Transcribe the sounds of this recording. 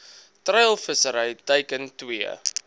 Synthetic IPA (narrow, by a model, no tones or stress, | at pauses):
trəjlˠfəsəɾəjtəjkəntwiə̰